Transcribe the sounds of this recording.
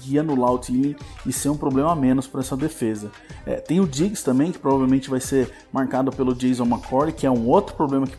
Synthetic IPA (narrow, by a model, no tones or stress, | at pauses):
ɡiɐnʊlawt͡ʃ̪ilĩɪseɾũpɾoblẽmɐamẽnʊspɐɾɐɛsɐd̪efezɐ | ɛ̰t̪ẽj̃ʊd͡ʒiɡɪst̪ɐ̃mbẽj̃kɪ̥pɾovavewmẽnt͡ʃɪvajseɾ | maɾkad̪ʊpelʊd͡ʒejzõw̃makʰɔɾlɪkɪɛũowt̪ɾʊpɾoblẽmɐkɪ